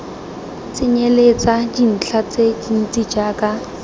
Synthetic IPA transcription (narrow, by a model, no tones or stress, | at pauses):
t͡sʼɪɲelet͡sad͡ʒin̩t͡ɬʰat͡sed͡ʒin̩t͡sʼid͡ʒaːkʼa